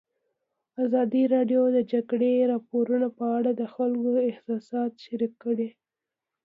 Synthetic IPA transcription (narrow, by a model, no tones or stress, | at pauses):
azɑd̪iɾɑɖjod̪əd͡ʒaɡɽeɾɑpoɾunapəaɽad̪əxalkoɪhsɑsɑt̪ʃaɾikːəɽe